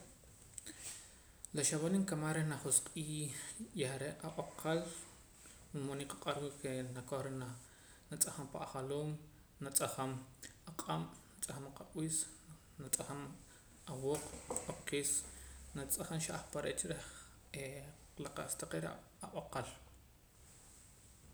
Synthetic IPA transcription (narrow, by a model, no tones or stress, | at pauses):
laʃaβaniŋkamaɾenaχosqʼiːjaaɾeʔʔaʔoqʰal | munmonikaqʼaɾwiʔkenakoχɾena | nat͡sʼaχampaaχaloːm | nat͡sʼaχamaqʼamnat͡sʼaχamaqaʔwiːs | nat͡sʼaχam | awoːq͡χoqiːsnat͡sʼaχanʃaʔaχpaɾeʔt͡ʃɾeχ | eqlaqa̰ʔst̪aqeɾa̰ | aʔaqal